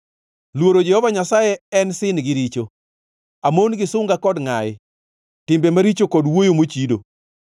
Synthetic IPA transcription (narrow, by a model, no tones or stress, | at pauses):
lwoɾod͡ʒɛhɔvaɲasajɛɛnsɪnɡɪɾit͡ʃo | amonɡɪsʊŋɡakɔdŋajɪ | tɪmbemaɾit͡ʃokɔdwojomot͡ʃido̰